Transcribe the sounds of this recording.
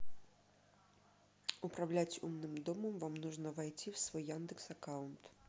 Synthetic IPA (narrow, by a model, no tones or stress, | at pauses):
upɾawlʲat͡sʲṵmnɨmd̪ɔmɐmvamnɔʐnɐvajt͡sʲiwsvɔjːand̪ɨksakawnt̪